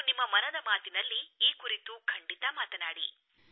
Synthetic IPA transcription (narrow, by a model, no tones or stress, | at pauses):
nimːɐmɐnɐd̪ɐmaːt̪inɐlːiːkuɾit̪ukʰɐɳɖit̪ɐmaːt̪ɐnaːɽi